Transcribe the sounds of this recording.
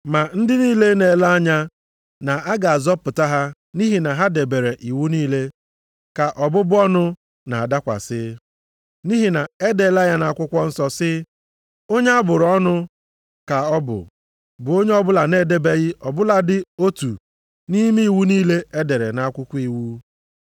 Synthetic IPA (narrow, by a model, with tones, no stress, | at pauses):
ma˨n̩˦dɪ˦niː˦le˦ne˨la˦a˦ɲa˦ | na˨a˦ɡa˨a˨zɔ˦pʊ˨ta˦ɦa˦ | ni˦ɦi˨na˨ɦa˦de˨be˨ɾe˨ʔi˨wu˦niː˦le˦ | ka˨ʔɔ˨bʊ˦bʊ˦ɔ˦nʊ˦ | na˨a˨da˦kʷa̰˨sɪ˦ | ni˦ɦi˨na˨e˦de˨la˦ja˦na˨a˨kʷʊ˦kʷɔ˦n̩˦sɔ˦sɪ˦ | o˦ɲe˦a˦bʊ˨ɾɔ˦nʊ˦ | ka˨ɔ˦bʊ̰˨ | bʊ˨o˦ɲe˦ɔ˦bʊ˦la˨neː˦˨de˦be˦ɣɪ˦ʔɔ˨bʊ˦la˨dɪ˦o˦tṵ˨ | ni˦mi˦i˦˨wu˦niː˦le˦e˦de˨ɾḛ˨na˦a˦kʷʊ˦kʷi˨wu˦